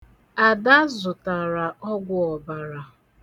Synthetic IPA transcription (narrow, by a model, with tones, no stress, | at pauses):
a˨da˦zʊ˨ta˨ɾa˨ʔɔ˦ɡʷʊ˦ɔ˨ba˨ɾa˨